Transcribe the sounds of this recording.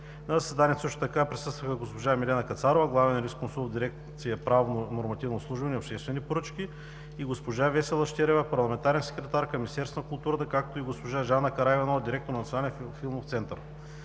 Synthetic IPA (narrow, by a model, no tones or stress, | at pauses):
nɐzɐsɛd̪aniɛsɤʃt̪ʊ̥t̪ɐkapɾisɤst̪vəxəɡospoʒamilɛnɐkɐt̪saɾovɐɡlˠavɛnɾiskonsulˠvd̪iɾɛk̪̚sijɐpɾavnnoɾmɐt̪ivnoslˠuʒuvɐnɛopʃt̪ɛst̪vɛnipoɾɤt͡ʃk̟i | iɡospoʒavɛsɛlˠɐʃt̪ʲɛɾɛvəpɐɾlˠɐmɛnt̪aɾɛnsɛ̥kɾɛt̪aɾkɐmʲist̪ɛɾsk̪kʊlˠt̪uɾət̪əkak̚t̪oiɡospoʒaʒanɐkɐɾajvɐnod̪iɾɛk̚t̪oɾnɐt̪sʲjonalʲɛnfilˠmoft̪sɛnt̪əɾ